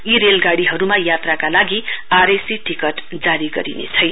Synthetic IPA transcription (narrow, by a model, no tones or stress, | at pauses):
iɾelɡaɽiɦʌɾumajat̪rakalaɡiaɾesiʈikʌʈd͡zaɾiɡʌ̰ɾinḛt͡sʰʌjn